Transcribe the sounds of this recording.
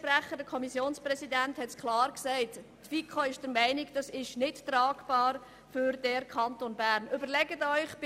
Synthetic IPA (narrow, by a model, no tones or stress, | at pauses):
pɾæχədəkʰɔmisjoːnsprɛsidænthɛtkʰlɑːɾksɛɪttfikʰoɪʃd̥əɾmɛɪnɪkd̥ɑsɪʃnɪttrɑːɡb̥ɑːɾ | fʏɾdɛɾkʰχɑntonbæːɾnʔʏbəɾlɛɡətœʏχb̥